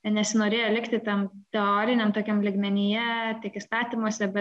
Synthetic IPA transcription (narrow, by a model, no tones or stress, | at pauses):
nʲɛsʲɪnoːɾʲeːjolʲɪkt̪ʲɪt̪ʲɛmt̪ʲɛoːɾʲɪnʲɛmt̪oːkʲɛmlʲɪɡmʲɛnʲijɛt̪ʲiɛkɪst̪ɑːt̪ʲimuɔsʲɛbʲɛ